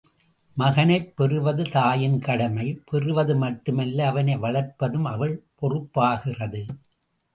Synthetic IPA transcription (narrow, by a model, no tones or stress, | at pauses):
mɐɣɐnɐɪpːɛrɯʋɐðɯt̪aːjɪnkɐɽɐmɐɪpɛrɯʋɐðɯmɐʈːɯmɛlːɐːʋɐnɐɪʋɐɭɐɾpɐðɯmɐʋɐɭpɔrɯpːaːɣɪrɐðɯ